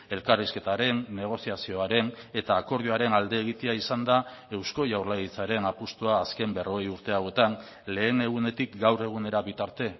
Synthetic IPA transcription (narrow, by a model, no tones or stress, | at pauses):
e̞lkariske̞t̪aɾe̞nːe̞ɣ̞o̞siasio̞aɾe̞ne̞t̪aːko̞ɾðiuaɾe̞nald̪e̞ːɣ̞it̪eaisand̪ae̞wsko̞jawɾlaɣit͡saɾe̞napust̪uaːske̞mbe̞ro̞ɣejuɾt̪e̞awe̞t̪an | le̞ːne̞ɣ̞une̞t̪ikɡawre̞ɣ̞une̞ɾaβit̪aɾt̪e̞